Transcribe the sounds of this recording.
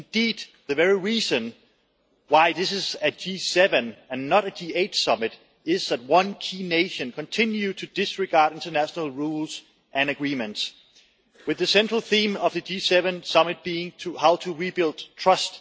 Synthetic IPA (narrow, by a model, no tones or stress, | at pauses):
ɪ̃ndiːd̪̚ðɨvɛɹiɹizɨ̃n | waɪðɪsɪzɨd͡ʒisɛvɨ̃nɨ̃nːəɾɨd͡ʒieɪtsʌmɨɾ | ɪzðæt̚wʌ̃nkʰiːneɪʃɨ̃nkʰɨ̃ntʰɪ̃njʉtʰɨd̥ɪsɹɨɡɑɹɾɪ̃ntə˞næʃənəl̩ˠɹulz | ʔɨ̃nɨɡɹĩmɨ̃nts | wɨðɨsɛ̃nt͡ʃɹ̥əl̩ˠθĩmʌvðɨd͡ʒisɛvɨ̃nsʌmɨt̚b̥iɪ̃ŋtʰəhaʊtʰəɹibɪlˠd̥tʰɹ̥ʌst